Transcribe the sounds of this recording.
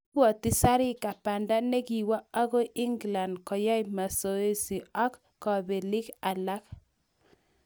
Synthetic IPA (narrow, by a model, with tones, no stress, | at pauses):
ɔ˨tɪ˦sa˦ɾɪ˦ka˨pa˨nda˦nɛ˦ki˨wa˦a˦ɡo˦ʔɪ˦ŋɡla˨ndkɔ˨ja˦jma˨so˨e˦si˨ɔ˦kːɔ˨be˨lɪ˦ka˨la˦k